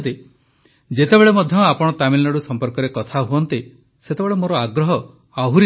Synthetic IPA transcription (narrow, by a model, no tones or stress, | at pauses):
t̪e | d͡ʒet̪ebeɭemɔd̪ʱjɔapɔɽ̃ɔt̪amilnɔɽusɔmpɔɾkɔɾekɔt̪ʰaɦuɔnt̪i | set̪ebeɭemoɾɔaɡɾɔɦɔ | aɦuɾi